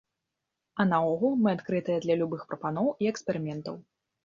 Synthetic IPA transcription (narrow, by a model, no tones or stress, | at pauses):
ɐnaɔɣulˠmɨat̪kɾɨt̪ɨjɛd̪lʲɐlʲubɨxpɾɐpanɔwiɛkspʲɛɾɨmʲɛnt̪ɐ̰w